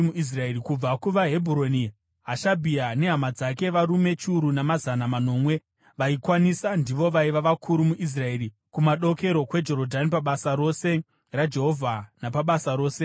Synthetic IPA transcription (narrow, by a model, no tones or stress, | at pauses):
muʔis̬raeɾikub͡vakuʋaɦe̞bʱuɾoni | ɦaʃabʱiane̞ɦamad͡zak̬e̞ʋaɾume̞t͡ʃiuɾunamazanamano̞ːmwe̞ | ʋaikwanisandiʋo̞ʋaiʋaʋakʰuɾumuʔis̬rae̞ɾi | kumaɗo̞ke̞ɾo̞kwe̞d͡ʒo̞ɾodʱanipaɓasaɾo̞se̞ | rad͡ʒe̞ɦo̞vʱanapaɓasaɾo̞ːse̞